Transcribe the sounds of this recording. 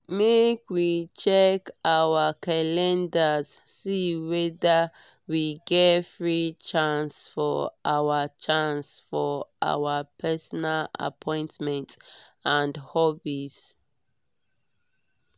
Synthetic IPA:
mekʰwit͡ʃɛkawəkʰalɛ̃ndəzsiwɛdə | wiɡɛtfɹit͡ʃãnsfɔʔawət͡ʃãnsfɔʔa̰wəpʰɛsɔnala̰pʰɔ̃ɪ̃ntmɛ̃ntãndhɔbis

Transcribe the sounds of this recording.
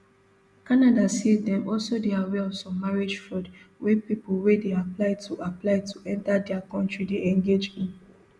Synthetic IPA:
kanadasedɛ̃mɔlsodeawɛɔvsɔ̃maɹed͡ʒfɹɔdwepipolwedeaplaɪtʰuaplaɪtʰuʔɛ̃ntadɛakɔ̃ntɹideɛ̃ŋɡed͡ʒĩn

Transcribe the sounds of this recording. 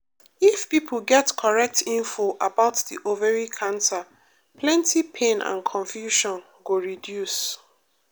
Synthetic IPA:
ifpipʰl̩ɡɛtkʰɔɹɛk̚tĩɱfoʔabaʊtdiʔovəɹikʰãnsa | pʰlɛ̃ntʰipʰẽnã̰nkʰɔ̃ɱfjuʃɔ̃n | ɡoɹidjus

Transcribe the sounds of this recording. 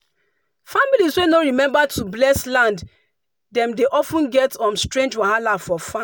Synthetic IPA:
familizwenoɹimɛ̃mbatʰublɛslãnd | dɛ̃mdeʔɔfũnɡɛtɔ̃nstɹẽnd͡ʒwahalafɔfã

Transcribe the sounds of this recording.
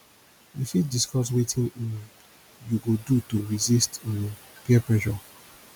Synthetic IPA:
ifidiskɔs̬wetʰĩnĩn | juɡodutoɹizistin | piɛpɹɛʃɔ

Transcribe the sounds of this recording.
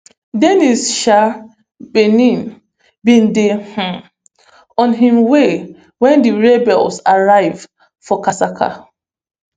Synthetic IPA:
denisʃa | benĩn | bĩndeh̩ | ɔ̃nɦĩmwe | wɛ̃ndiɹebɛlsaɹaɪv | fɔkasakʰa̰

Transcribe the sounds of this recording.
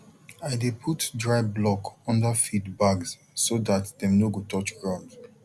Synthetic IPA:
aɪdepʰutdɹaɪblɔkɔ̃ndəfitbaɡs | soðatdɛ̃mnoɡotʰɔt͡ʃɡɹãʊ̃nd

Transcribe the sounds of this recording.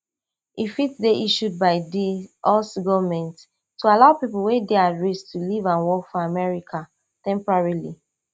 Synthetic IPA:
ifitdeʔiʃud̚baɪdiʔɔsɡɔvmɛ̃nt | tːualaʊpiplwedeadɹistʰulivãnwɔkfɔamɛɹikʰa | tɛ̃mpɹaɹili

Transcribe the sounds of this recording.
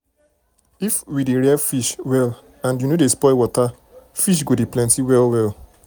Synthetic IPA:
ifwideɹɛfiʃwɛl | ãnjunodespɔɪwɔta | fiʃ̬ɡodeplɛ̃ntiwɛlwɛl

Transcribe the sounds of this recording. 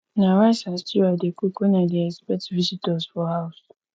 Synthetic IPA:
nawasastiwadekʷikonadiɛspɛtvisitɔzfɔhaʊs

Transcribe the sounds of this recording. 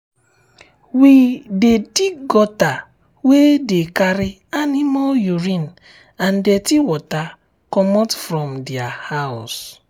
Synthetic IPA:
widediɡɔta | wedekaɾi | animaljuɹĩn | ãndɛtiwɔta | kɔmɔtfɾɔ̃mdiahaws

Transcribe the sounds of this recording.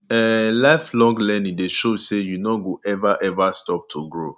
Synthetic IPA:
ɛlaɪflɔ̃ŋɡlɛnĩdeʃozsejunɔɡoʔɛvaʔɛvastɔp̚tʰuɡɹo

